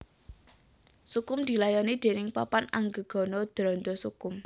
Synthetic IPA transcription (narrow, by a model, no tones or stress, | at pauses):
sukʊmd̪̥i̤lajɔnid̪̥e̤nɪŋpapanaŋɡəɡ̥ɔ̤nɔd̪̥ɾɔ̤nd̪ɔsukʊm